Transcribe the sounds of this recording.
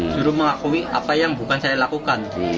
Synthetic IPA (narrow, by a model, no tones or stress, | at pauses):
d͡ʒ̥uɾuməŋakuwiʔa̰pajaŋbukansajalakukan